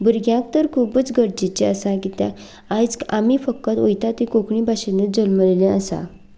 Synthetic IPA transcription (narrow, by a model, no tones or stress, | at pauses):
buɾɡjãk̚t̪əɾkʰuːbət͡sɡəɾd͡ʑit͡ɕeəsãkit̪jã̰ | ad͡zkamifəkːət̪ojt̪at̪ikokɳĩbʱaɕenəd͡zəlməlelẽəsa̰